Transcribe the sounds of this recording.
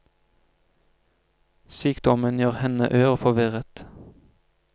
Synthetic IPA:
syːkd̪ɔmənjøːʁhɛnə̰ʔøːʁəfɔʋɪʁət̪

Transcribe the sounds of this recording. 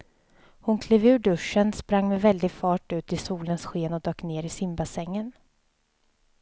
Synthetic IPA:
hʊnkʰliːvʉ̟ːɖɵʂːənspɾaŋːmɛvɛld̪ɪɡfɑːʈʉ̟ːt̪ɪsuːlənsɧeːnɔd̪øːkneːɾɪsɪmbasɛŋːən

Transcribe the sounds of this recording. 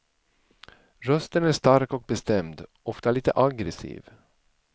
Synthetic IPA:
ɾœst̪ənæːʂt̪aɾkɔk̚bɛst̪ɛmd̪ | ɔft̪aliːt̪əʔaɡɾɛsḭːv

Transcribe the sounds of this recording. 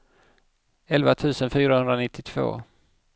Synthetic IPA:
ɛlvat̪ʰʉ̟ːsənfyːɾahɵnd̪ɾanɪt̪ʰːɪt̪ʰv̥o̰ː

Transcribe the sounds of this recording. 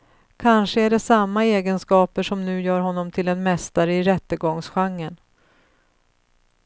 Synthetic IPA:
kʰanʂəæɖɛsamːaeːɡənskɑːpəʂɔmnʉ̟ːjœːɾɦɔnːɔmt̪ʰɪlɛnmɛst̪aɾəɪɾɛt̪ːəɡɔŋsɧaŋːən

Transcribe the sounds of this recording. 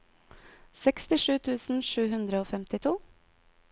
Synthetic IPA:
sɛkst̪ɪʂʉːt̪ʰʉːsn̩ʃʉːɦʉnd̪ɾəoːfɛmt̪ɪt̪ʰuː

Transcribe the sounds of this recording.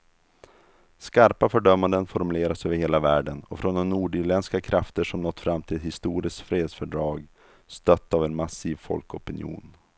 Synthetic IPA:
skaɾpafœɖœmːand̪ənfɔɾmɵleːɾasøːvəɾheːlavæːɖənɔfɾɔnd̪ɔnːuːɖʏɾlɛnskakʰɾʔaft̪əʂɔmnɔt̪ːfɾamːt̪ʰɪlɛt̪hɪst̪uːɾɪskt̪fɾeːd̪sfœɖɾɑːɡ | st̪œt̪ːavɛnmasiːvfɔ̰lkɔpɪnjṵːn

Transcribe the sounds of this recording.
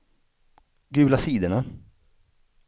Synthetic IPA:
ɡʉ̟ːlasiːd̪əɳa

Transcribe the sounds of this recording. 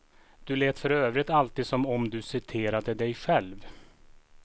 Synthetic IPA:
d̪̥ɵleːt̪fœɾøːvɾɪt̪alt̪iːd̪sɔmɔmd̪ɵsɪt̪ʰeːɾad̪əd̪ɛjɧɛlv

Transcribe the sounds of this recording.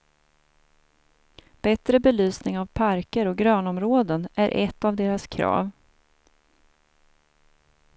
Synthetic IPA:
b̥ɛt̪ɾəbɛlyːsnɪŋavpʰaɾkəɾɔɡɾœːnɔmɾoːd̪ənʔæɾʔɛ̰t̪ːavd̪eːɾaskʰɾɑ̰ːv

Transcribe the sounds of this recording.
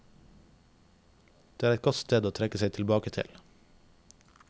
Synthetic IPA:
d̪̥eːæːɾɛt̪ɡɔt̪st̪eːd̪oːt̪ʰɾɛkəseɪt̪ʰɪlbɑːkət̪ʰɪ̰l

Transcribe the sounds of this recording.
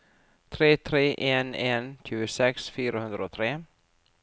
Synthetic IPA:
t̪ʰɾeːt̪ʰɾeːʔeːneːnc͡çʉːəsɛksfyːɾəhɵnd̪ɾaɔt̪ʰɾeː

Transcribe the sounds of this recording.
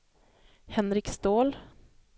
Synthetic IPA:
hɛnɾɪkst̪oːl

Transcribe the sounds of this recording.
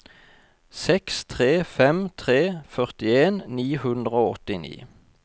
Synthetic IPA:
sɛkst̪ʰʁeːfɛmt̪ʰʁeːfœʁt̪ɪeːnːiːhʉnd̪ʁəoːɔt̪ɪnḭː

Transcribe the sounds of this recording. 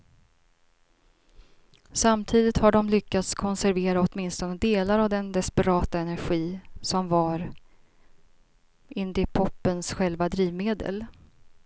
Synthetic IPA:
samt̪ʰiːd̪ɪt̪haɖɔmlʏkːat̪skʰɔnsæɾveːɾaɔt̪mɪnst̪ɔnəd̪eːlaɾavd̪ɛnd̪ɛspɛɾɑːt̪aɛnæɾɧiːsɔmvaɾ | ʔɪnd̪ɪpʰɔpːənsɧɛlvad̪ɾiːvmeːd̪ə̰l

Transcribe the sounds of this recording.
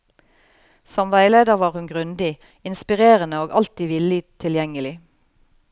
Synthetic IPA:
sɔmʋæɪleːd̪əʁʋɑːʁhʉnɡʁʉnd̪ɪ | ɪnspɪʁeːʁənəoːɡʔɑ̰lt̪iːʋɪlɪt̪ʰɪljɛŋəlɪ

